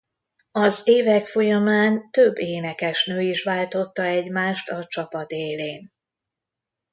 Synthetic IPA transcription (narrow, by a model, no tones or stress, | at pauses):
ɒzeːvɛkfo̞jɒmaːnt̪øbːeːnɛkɛʃnøːiʃʋaːlt̪o̞t̪ːɒɛɟmaːʃt̪ɒt͡ʃɒpɒd̪eːleːn